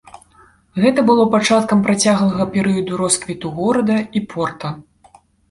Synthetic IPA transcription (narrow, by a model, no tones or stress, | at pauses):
ɣɛt̪ɐbɨlˠɔpat͡ʂat̪̚kɐmpɾat͡sʲaɣlˠɐɣɐpʲɛɾɨjɐd̪uɾɔskvʲit̪uɣɔɾɐd̪ɐipʰɔrt̪ɐ